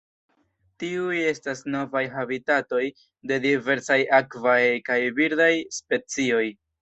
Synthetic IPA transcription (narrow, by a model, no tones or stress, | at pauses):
tiuje̞stasno̞vajɦabitato̞j | de̞dive̞ɾsajakvajkajviɾdajspe̞t͡sio̞j